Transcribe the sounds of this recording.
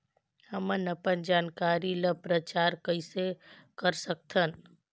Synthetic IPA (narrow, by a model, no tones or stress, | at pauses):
həmənəpənd͡ʒaːnkaːɾiləpɾət͡ʃaːɾkəisekəɾsək̚t̪ʰən